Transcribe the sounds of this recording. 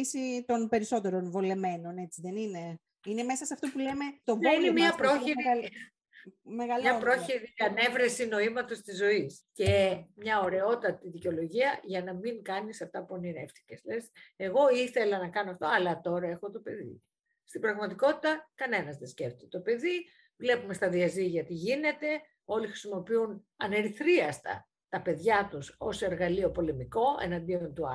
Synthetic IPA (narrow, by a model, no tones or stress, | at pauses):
isit̪o̞npe̞ɾisot̪e̞ɾo̞nvo̞le̞me̞no̞ne̞t͡siðe̞nine̞ | ine̞me̞sɐseɐft̪o̞pule̞me̞t̪o̞vonemɐpɾoçiɾi | meɣɐlɐpɾo̞çiɾiɐne̞vɾesino̞imɐt̪o̞st̪izːo̞iscemɲɐoɾe̞o̞t̪ɐt̪iðiceo̞lo̞ʝiɐʝɐnɐmiŋkɐnisɐft̪ɐpuɐniɾḛft̪i̥ceslese̞ɣo̞iθe̞lɐnɐkɐnoɐft̪o̞ɐlɐt̪o̞ɾɐe̞xo̞t̪o̞pe̞ðḭ | st̪ibɾɐɣmɐt̪iko̞t̪i̥t̪ɐkɐne̞nɐzðesceft̪t̪t̪o̞pe̞ði | vle̞pumest̪ɐðiɐziʝɐt̪iʝine̞t̪e̞ | o̞lixɾisimo̞piun | ɐne̞ɾiθɾiɐst̪ɐ̰ | t̪ɐpe̞ðʝɐt̪uso̞se̞ɾɣɐlio̞po̞le̞miko̞e̞̰nɐnd̪io̞nt̪uɐ̰